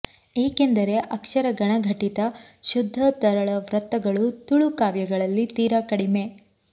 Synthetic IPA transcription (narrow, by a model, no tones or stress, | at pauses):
e̞ːke̞nd̪ɐɾe̞ʔɐkʂɐɾɐɡɐɳɐɡʱɐʈit̪ɐʃud̪ʱːɐt̪ɐɾɐɭɐʋɾɐt̪ːɐɡɐɭut̪uɭukaːʋjɐɡɐɭɐlːit̪iːɾakɐɽime̞